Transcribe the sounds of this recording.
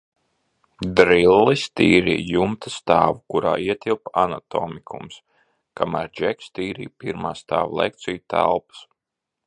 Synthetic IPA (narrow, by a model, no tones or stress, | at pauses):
d̪ɾilˠːist̪iːɾḭːjumt̪ast̪aːvukuɾaːiɛt̪ilˠpanat̪ɔːmikʰums | kamæɾd͡ʒɛkst̪iːɾḭːjpiɾmaːst̪a̰ːvlˠɛ̰k̚t̪sijut̪æ̰lˠpḁs